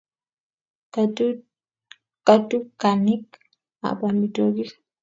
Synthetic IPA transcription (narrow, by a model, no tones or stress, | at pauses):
katukanik | a̰bamitoɡi